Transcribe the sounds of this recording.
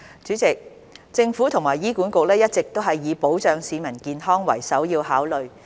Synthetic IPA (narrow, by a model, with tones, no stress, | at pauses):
t͡ʃyː˨˥t͡sɪ˨k̚ | t͡sɪ˧ŋfu˨˥t̪ʰʊ˨˩ŋmaː˨˩jiː˥kuː˨˥nkʊ˨k̚lɛː˥jɐ˥t̚t͡sɪ˨k̚t̪o˥wɦɐ˨jːiː˨˧po˨˥wt͡ʃœː˨ŋsiː˨˧mɐ˨˩nkiː˨˧nɦɔː˥ŋwɐ̰˨˩jsɐ˨˥wjiː˧whaː˨˥wlɵ˨ɥ